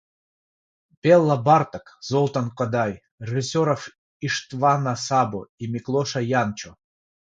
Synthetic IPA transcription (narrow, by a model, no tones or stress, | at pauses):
pʲelˠːabɑrt̪əkzolˠt̪ankod̪ɑj | rʲeisʲoɾof | iʂt̪vɑnasɑbo̰imʲiklˠoʃajɑnt͡ɕo